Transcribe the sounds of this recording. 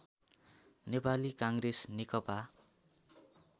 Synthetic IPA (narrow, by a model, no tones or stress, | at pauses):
nepalikãŋɡresnekʌpa